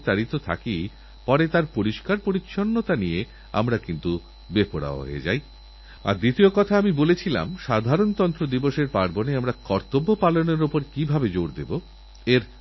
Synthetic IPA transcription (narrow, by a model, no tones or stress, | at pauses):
t̪aɾit̪ot̪ʰa̰ki | pɔɾet̪aɾpoɾiʃkaɾpoɾitːɕʰonːot̪anije | a̰mɾakint̪u | bepoɽa̰o̰ɦḛḛd͡ʑa̰j | a̰ɾd̪it̪iokɔt̪ʰaamibolet͡ɕʰila̰mʃad̪ʱaɾont̪ɔnt̪ɾod̪iboʃeɾpaɾboneamɾakɔɾt̪obːopaloneɾopoɾkibʱabed͡ʑoɾd̪ebo | eɾ